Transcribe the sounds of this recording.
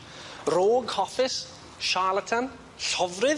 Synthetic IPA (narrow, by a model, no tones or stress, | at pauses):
roːɡhɔfɪs | ʃalˠətʰən | ɬɔvrɪ